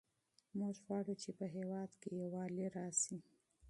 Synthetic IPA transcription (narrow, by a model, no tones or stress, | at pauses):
muʒɣwɑɽut͡ʃepəɦewɑd̪kejewɑleɾɑsi